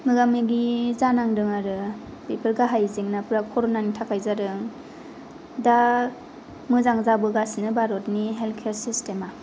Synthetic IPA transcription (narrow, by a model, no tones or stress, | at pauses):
mɯɡamɯɡizanaŋdɯŋaɾɯ | bepʰɯɾɡaɦajziŋnapɯɾakʰɔɾɔnanitʰakʰajzaɾɯŋ | da | mɯzaŋzabɯɡasinɯbaɾɔtniɦelkʰeɾsistema